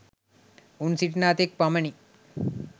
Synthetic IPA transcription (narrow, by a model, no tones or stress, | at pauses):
unsiʈnaːt̪ek̚pɐmɐɳi